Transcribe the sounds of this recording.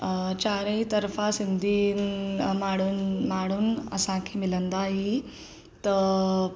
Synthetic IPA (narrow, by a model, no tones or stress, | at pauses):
t͡ɕaɾəit̪əɾfasind̪ʱiː | maɽunmaɽuːnə̰sãkʰimilənd̪aɦi | t̪ə